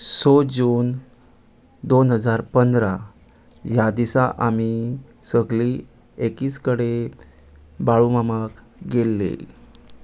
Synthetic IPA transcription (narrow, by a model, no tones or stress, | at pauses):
sod͡ʑuːn | d̪onɦəd͡zaɾpənd̪ɾa | jad̪isaʔami | səɡliː | ekiːskəɽe | baɭumamak | ɡelːḛ